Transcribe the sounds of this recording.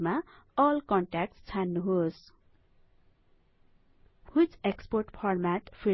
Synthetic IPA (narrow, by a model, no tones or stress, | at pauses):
maʌlkʌɳʈak̚ʈst͡sʰanːuɦos | hut͡seksporʈpʰʌrmaʈpʰi